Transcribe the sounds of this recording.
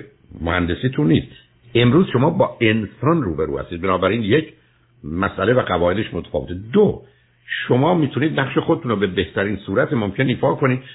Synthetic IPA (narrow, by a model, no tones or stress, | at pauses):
mohænd̪e̞siːt̪ʰunːiːst̪ | e̞mɾuːzʃo̞mɒːbɒːʔe̞nsɒnruːbeɾṵːhæ̰st̪iːd̪̚benɒːbæɾiːnjecʰ | mæsʔælevæɡævɒːʔe̞d̪eʃmot̪ʰæ̥fɒːve̞t̪ʰed̪o | ʃomɒːmiːt̪ʰuniːd̪̚næχʃexod̪et̪unobe̞beht̪ʰæɾiːnsuːɾæt̪ʰemomcʰe̞niːfɒːkʰoniːd̪̚